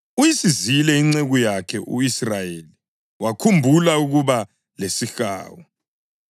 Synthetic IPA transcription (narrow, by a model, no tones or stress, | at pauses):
ujisizilɛiŋ͡ǀeɣujakʰɛʔuisrajeli | wakʰumbʱulauɣuβa | lesixa̰ːwɔ